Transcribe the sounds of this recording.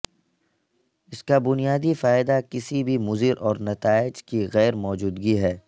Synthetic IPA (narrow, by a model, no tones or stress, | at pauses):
ɪskabʊnijaːd̪ifaːɪd̪akɪsibʱimʊzɪɾʔɔːɾnɐt̪aːɪd͡ʒkiɣɛːɾmɔːd͡ʒuːd̪ɡiɦɛː